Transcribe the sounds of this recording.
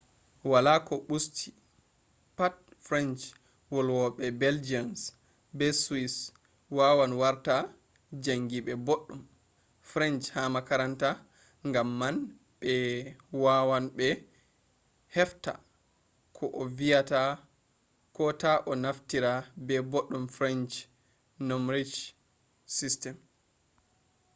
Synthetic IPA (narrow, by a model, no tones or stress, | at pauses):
walakɔɓustʰi̥ | pat̚fɾɛnt͡ʃ | wɔlwɔɓɛbɛld͡ʒians | bɛswis | wawanwaɾta | d͡ʒaŋɡiɓɛboɗːum | fɾɛnt͡ʃhamakaɾanta | ŋɡamːan | ɓɛwawanɓɛ | hɛfta̰ | kʰɔʔɔvijata | kɔtaʔɔnaftiɾabɛboɗːumfɾɛnd͡ʒ | nomɾid͡ʒ | sistɛm